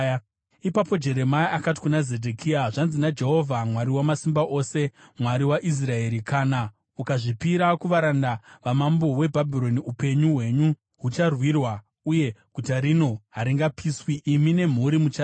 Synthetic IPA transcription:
ipapo̞d͡ʒe̞ɾe̞maiʔakati̥kunaze̞dʱekʰiaʐanzinad͡ʒe̞ɦo̞vʱamwaɾiwamasimbaʔo̞se̞mwaɾiwaʔis̬rae̞ɾikʰaːna | ukaʐipiɾakuʋaɾandaʋamambo̞we̞bʱabʱiɾo̞niupe̞ɲuwe̞ɲu | ɦut͡ʃarwirwa | uje̞ɡ̥ʱutaɾino̞ɦaɾiŋɡapʰiswiʔːmine̞m̤uɾimut͡ʃa

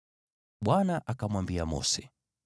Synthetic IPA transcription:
ɓwanaʔakamwambiamɔ̰sɛ̥

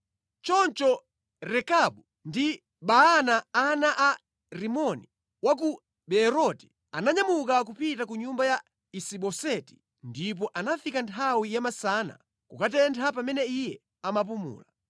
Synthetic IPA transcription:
t͡ʃɔnt͡ʃɔ | ɾɛkaɓu | ndi | ɓaanaanaʔa | ɾimɔni | wak̬u | ɓɛɾɔti̥ | anaɲamukak̬upitakuɲumbaja | isiɓɔsɛti̥ | ndip̬ɔʔanafikantʰawijamasana̰ | kukat̬ɛntʰapamɛnɛijɛ | amap̬umṵːla

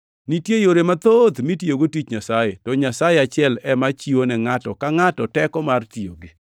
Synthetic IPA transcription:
nitjejoɾemat̪od̪mitjoɡotit͡ʃɲasajetɔɲasajeat͡ʃɪɛlɛmat͡ʃiwonɛŋatɔkaŋatɔtɛkɔmartio̰ɡi

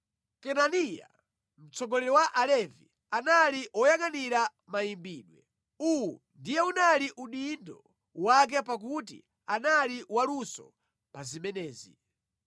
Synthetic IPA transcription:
kɛnanija̰ | m̩t͡sɔɡɔlɛɾɔwaʔalɛvḭ | analiʔɔjaŋaniɾa | majimbiːɗwɛ̰ | uwu | ndijɛunaliʔuɗindɔ̰ | wak̬ɛpak̬utḭ | analiwalusɔ̰ | pazimɛnɛːzḭ

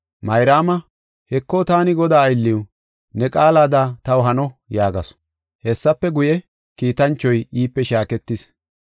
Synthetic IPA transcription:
mɐjɾaːmɐ | hɛkːɔt̪aːnɪɡɔd̪aːjɪlːɪw | nɛkʼaːlaːd̪at̪ɐwɦɐnɔjaːɡɐs | hɛsːɐpːɛɡʊjɛ | kiːt̪ɐnt͡ʃːɔjiːpːɛʃaːkɛt̪ːɪs

